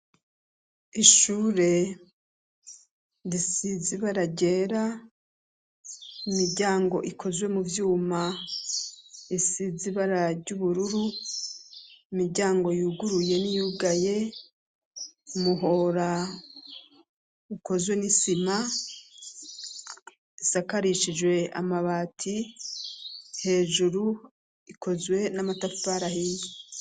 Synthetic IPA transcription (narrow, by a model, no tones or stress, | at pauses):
iʃuːɾe̞ | ɾisiziβaɾaɟe̞ːɾa | imiɾɟaːŋɡo̞̰ʔikʰo̞zwe̞muvjuːma | isiziβaɾaɾɟuβuɾuɾu | imiɾɟaːŋɡo̞juːɡuɾuje̞nijuɡaje̞ | umuɦo̞ɾa | uko̞zwe̞nisima | isakaɾiʃid͡ʒwe̞a̰maβaːtʰi | he̞ːʒuɾu | ikʰo̞zwe̞namataffaɾahii